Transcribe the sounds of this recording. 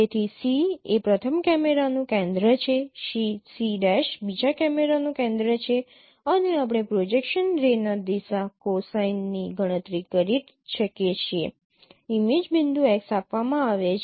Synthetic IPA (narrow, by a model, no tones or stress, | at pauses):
et̪ʰisiepɾət̪ʰəmkɛmeɾanũkẽnd̪ɾət͡ʃʰeʃisiɖɛʃbid͡ʒakɛmeɾanũkẽnd̪ɾət͡ʃʰe | əneap̬ɽ̃epɾod͡ʒekʃənɾenad̪isakosajnːiɡʱəɽ̃ə̃t̪ɾikəɾi | ʃəket͡ʃʰie | imed͡ʒbind̪uɛksapʋamãaʋe